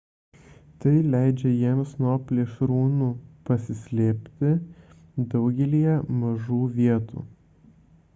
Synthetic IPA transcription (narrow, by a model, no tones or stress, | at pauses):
t̪ɐɪlʲæˑɪd͡ʒʲɛjiɛmsnuɔpʲlʲeːʃɾuːnuːpɐsʲɪsʲlʲeːpʲt̪ʲɪ | d̪ɐʊɡʲɛlʲijɛmɐʒuːʋʲiɛt̪ṵː